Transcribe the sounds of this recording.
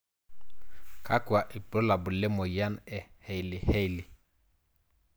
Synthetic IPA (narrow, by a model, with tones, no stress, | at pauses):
kʰa˦kwa˨ʔɪ˨pɾɔ˦la˨bʊ˨lɛ˦mɔ˨ja˦nɛ˨hɛ˨i˨lɪ˨hɛ˦i˨lɪ˨